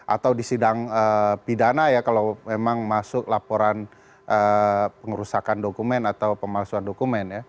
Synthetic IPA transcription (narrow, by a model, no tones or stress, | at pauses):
ʔa̰t̪awdisidaŋəpidanajakalawmemaŋmasʊklapoɾan | ʔəpəŋɾusakandokumɛnat̪awpəmasuandokumɛnja